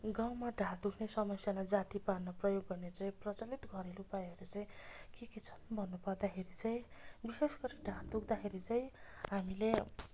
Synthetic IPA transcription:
ɡawmaɖʱãɾd̪ukʰnesʌmʌsjamad͡zat̪iparnʌprʌjoɡːʌnet͡saĩprʌt͡sʌlit̪ɡʱʌɾelupajʌɾut͡saĩj̃kiket͡sʰʌ̥nbʱʌnːupʌrd̪akʰeɾit͡saj̃bisesɡʌɾiɖʱãɾd̪ukʰd̪akʰeɾit͡saj̃ɦamile

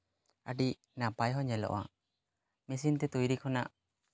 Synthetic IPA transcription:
a̰ɖiʔ | napajɦɔɲɛlɔ̰ʔɔ̰a̰ | mis̬int̪ɛt̪ujɾikʰɔnaʔ

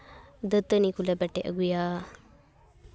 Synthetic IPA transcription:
d̪ət̪ənikulabɛʈeʔə̰ɡuja

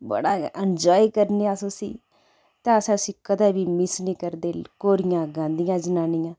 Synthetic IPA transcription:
bə̰ɽaːənd͡ʒɔːikəɾneːaːsosḭː | t̪ãːəsãːʊsĩːkəd̪aːbiːmɪsniːkəɾd̪eːlkoːɾɪjãːɡãːnd̪ɪjãːd͡ʒənaːnɪjãː

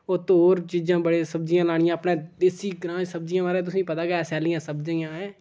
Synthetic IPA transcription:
oːt̪ooːɾt͡ʃid͡ʒãːbəɽeːsəb̚d͡ʒɪjãːlaːɽ̃ɪjãːəpnẽːd̪eːsiːɡɾãːd͡ʒsəb̚d͡ʒɪjãːʋaːɾeːt̪̬ʊsĩːpət̪aːkɛːsɛːlijãːsəbd͡ʒə̃jãːɦɛ̃ː

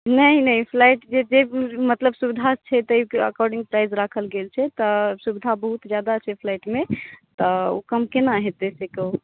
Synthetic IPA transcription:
nəinəipʰlajʈd͡ʒed͡ʒemət̪ləbsubid̪ʱat͡ʃʰɛt̪əikə̰kɔɾɖĩŋɡ̚pɾajzɾakʰəlɡelt͡ʃʰɛt̪ɔsubid̪ʱabəɦut̪d͡ʒjad̪at͡ʃʰɛpʰlajʈmet̪ɔo̰kəmkenaɦet̪esekəw

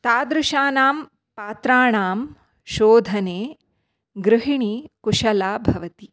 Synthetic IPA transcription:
t̪aːd̪ɾuʃaːnaːm | paːt̪ɾaːɳaːm | ʃoːd̪ʱɐneː | ɡɾɪɦiɳikuʂɐlaːbʱɐʋɐt̪i

